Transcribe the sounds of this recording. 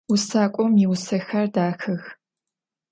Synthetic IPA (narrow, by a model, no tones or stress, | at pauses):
wʊsaːkʷʼɔmiwʊsɐxɐrdaːxɨx